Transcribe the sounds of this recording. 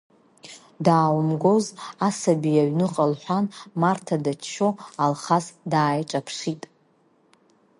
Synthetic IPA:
daːwmɡo̞zasabijaɥnɨqʼalħʷᶣanmartʰadat͡ʃt͡ʃoalχasdaːjʈ͡ʂʼapʰʂitʼ

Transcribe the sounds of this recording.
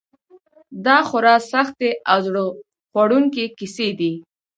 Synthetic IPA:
d̪ɑxʊɾɑsaxt̪eʔazɽo | xwaɽuŋkekised̪i

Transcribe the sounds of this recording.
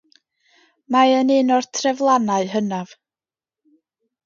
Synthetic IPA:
maənɪnɔrtʰrɛvlˠanaɨɦənav̥

